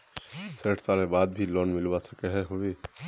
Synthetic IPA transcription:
səːʈʰsalmẽbaːd̪bʱilɔːnmɪlbasʰəkɛɦɛɦowe

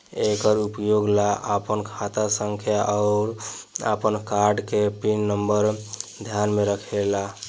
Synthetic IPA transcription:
ekəɾupjoɡlaʔəpənkʰat̪asəŋkʰjaʔaʊɾa̰pənkaɾɖkepinːəmbəɾd̪ʱjanmeɾəkʰela

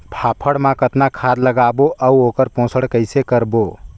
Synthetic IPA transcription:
pʰapʰəɽmãkət̪nakʰad̪ləɡaboʔʔəuokəɾpõsəɽkəjsekəɾbo

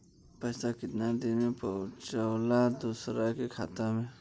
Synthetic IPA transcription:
pəːsakɪt̪nad̪enmẽpəʊt͡ʃəwlad̪usɾakekʰa̰ːt̪amẽ

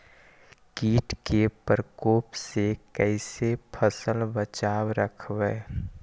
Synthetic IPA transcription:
kiːʈkepɾəkoːpsekɛɪsepʰəsəlbət͡ʃaːwɾəkʰʋeː

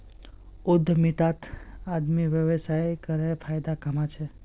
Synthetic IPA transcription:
ud̪ʱːmit̪at̪ad̪miʋjəʋsajkəɾepʰajd̪akəmat͡ʃʰe

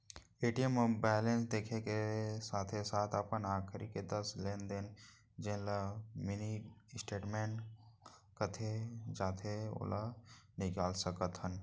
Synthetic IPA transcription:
eːʈijəmbɛːlẽnsd̪eːkʰekesaːt̪ʰesaːt̪ʰəpənaːkʰɾiked̪əsleːnd̪en | d͡ʒẽlamɪnisʈeːʈmẽːɳʈ | kət̪ʰed͡ʒaːt̪ʰeo̰lanɪkaːlsəkət̪ɦən

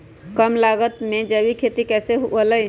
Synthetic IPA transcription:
kəmlaɡət̪med͡ʒəbikʰet̪ikɛseɦuələj

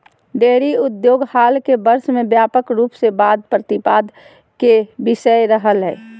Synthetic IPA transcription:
ɖeːɾiʊd̪joːɡhaːlkebəɾsmẽbjaːpəkɾuːpsebaːd̪̚pɾət̪ɪpaːd̪ | kebɪʃəeɾəɦəlɦɛː

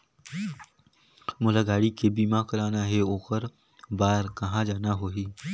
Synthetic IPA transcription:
mʊlaɡaːɽikebiːmãkəɾaːnaɦeoːkəɾ | baːɾkɐɦãd͡ʒaːnaɦoːɦiː

